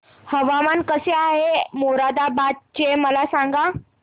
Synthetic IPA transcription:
həʋamankəseaɦemoɾad̪abad̪̚t͡ɕeməlasãŋɡa

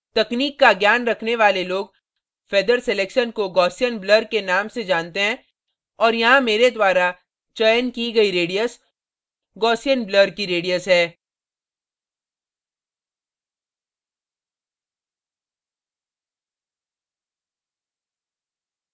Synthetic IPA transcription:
t̪ɐkniːkːaɡjaːnɾɐkʰneʋaːleloːɡ | feːd̪əɾseleːkʃənkoɡɔːsijənbləɾkenaːmsed͡ʒaːnt̪eɦɛ̃ː | ɔːɾjɐɦãmeːɾed̪waːɾa | t͡ʃɐjənkiɡɐiɾeːɖijəs | ɡɔːsijənbləɾkiɾeːɖijəsɦɛː

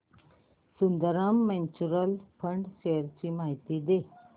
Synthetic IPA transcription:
sund̪əɾamːɛ̃nt͡ɕuɾəlpʰəɳɖɕeəɾt͡ɕiːmaɦit̪iːd̪e

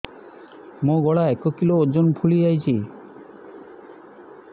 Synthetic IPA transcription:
mõɡɔɭaɛkokiloːd͡ʒonpʰuliajt͡ɕʰi

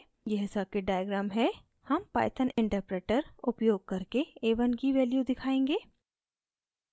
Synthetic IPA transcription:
jeɦsakeɖaːjəɡɾaːmɦɛ | hɐmpa̰ːɪt̪ʰənɪ̃ɳʈəɾpɾeːʈəɾʊpjoːɡ̚kɐɾkeeːʋənɡiʋɛːljud̪ɪkʰaːẽːŋɡeː

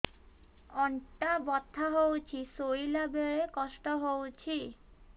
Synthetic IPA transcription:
ɔɳʈabɔt̪ʰːaɦowt͡ʃʰisojlabeɭekɔsʈɔɦowt͡ɕʰi

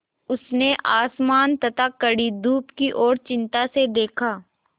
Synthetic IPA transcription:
ʊsneʔaːsmaːnt̪ɐt̪ʰakɐɽid̪uːpkiʔɔːɾt͡ʃɪ̃nt̪ased̪eːkʰaː

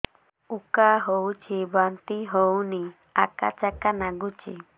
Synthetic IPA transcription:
ukaɦowt͡ʃʰibant̪iɦowni | aka̰t͡ʃakanaɡut͡ʃʰḭ

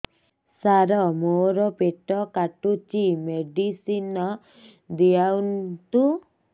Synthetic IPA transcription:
saɾɔmoɾɔpeʈɔkaʈut͡ʃimeɖisinɔ | d̪iawnt̪u

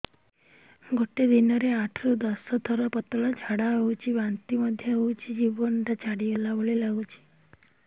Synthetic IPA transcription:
ɡʱoʈed̪inɔɾeaʈʰɾud̪ɔsɔt̪ʰɔɾɔpət̪ɭɔd͡ʒʱaɽaɦowt͡ʃʰiʋant̪iməd̪ʱjəɦowt͡ʃʰid͡ʒibɔnd̪at͡ʃaɽielaboɭelaɡut͡ʃʰi̥

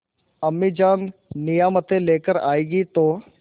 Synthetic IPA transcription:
əmːiːd͡ʒaːnnɪjaːmət̪ẽleːkəɾa̰ːeːɡiːt̪oː

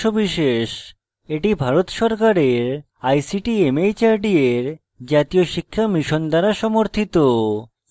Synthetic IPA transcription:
obiʃeʃ | eʈibʱaɾot̪ʃɔɾkaɾeɾ | ajsiʈiemejt͡ɕaɾɖieɾ | d͡ʑat̪ioʃikʰːamiʃond̪aɾaʃɔmoɾt̪ʰit̪o

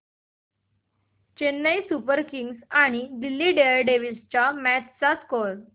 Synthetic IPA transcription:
t͡ɕenːəjsupəɾkiŋɡsaɽ̃id̪ilːiɖeəɾɖeʋilst͡ɕjamæt͡ɕt͡saskoɾ

